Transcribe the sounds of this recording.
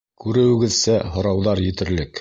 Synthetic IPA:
kʉɾɘ̆wɘ̆ɡɘ̆ðsæɦŏɾɑwðɑɾjɘ̆t̪ɘ̆ɾlɘk

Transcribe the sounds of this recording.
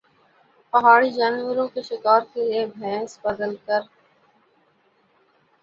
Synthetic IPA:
pɐɦaːɽid͡ʒaːnʋəɾõkeʃɪkaːɾkeliebʱɛ̃ːsbəd̪əlkəɾ

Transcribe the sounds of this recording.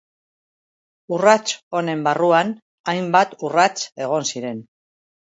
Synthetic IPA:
urat͡so̞ne̞mbaruan | ajmbat̪urat͡se̞ɣ̞o̞nsiɾe̞n

